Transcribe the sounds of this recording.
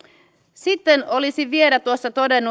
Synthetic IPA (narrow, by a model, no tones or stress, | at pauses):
sit̪ːenʔo̞lisiʋie̞læt̪uosːɑt̪o̞denːu